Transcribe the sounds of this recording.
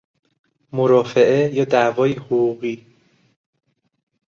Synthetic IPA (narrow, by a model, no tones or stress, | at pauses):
moɾɒːfe̞ʔejɒːd̪ævɒːjihoɣuːɣiː